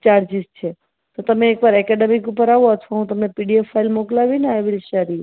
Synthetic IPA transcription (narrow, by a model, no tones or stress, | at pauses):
t͡ʃaɾd͡ʒist͡ʃʰe | t̪ot̪əmeːkʋaɾɛkɛɖemikupəɾaʋoət̪ʰʋaɦũt̪əmnepiɖiefːailmoklaʋineaʋilʃaɾiu